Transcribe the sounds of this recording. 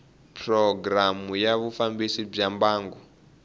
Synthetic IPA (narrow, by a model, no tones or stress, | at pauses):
pʰrɔɡramujaβufambisib͡ʐambaːŋɡu